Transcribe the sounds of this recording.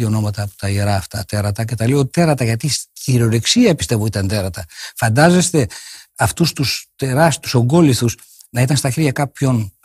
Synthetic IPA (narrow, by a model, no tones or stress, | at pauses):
io̞no̞mɐt̪ɐpo̥t̪ɐiɾɐːft̪ɐt̪e̞ɾɐt̪ɐce̞t̪ɐleo̞t̪e̞ɾɐt̪ɐʝɐt̪isciɾo̞ɾeksiɐpist̪e̞vo̞it̪ɐnd̪e̞ɾɐt̪ɐfɐnd̪ɐze̞st̪e̞ɐft̪ust̪ust̪eɾɐst̪u̥so̞ŋɡo̞liθus | nɐit̪ɐnst̪ɐçeɾʝɐkɐpço̞n